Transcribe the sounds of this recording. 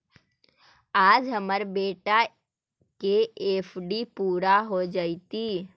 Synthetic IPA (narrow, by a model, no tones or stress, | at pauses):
aːd͡ʒɦəməɾbeːʈa | keeːpʰɖipuːɾaɦod͡ʒaːit̪iː